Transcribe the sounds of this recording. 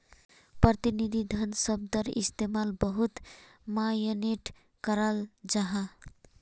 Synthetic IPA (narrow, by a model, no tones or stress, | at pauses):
pɾət̪inid̪ʱid̪ʱənsəb̚d̪əɾḭst̪emalbəɦut̪ | majəneʈ | kəɾəld͡ʒaɦa